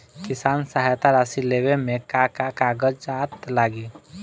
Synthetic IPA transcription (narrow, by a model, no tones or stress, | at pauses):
kɪsaːnsaɦajt̪aɾasileːwemẽkakakaːɡəd͡ʒd͡ʒaːt̪laːɡi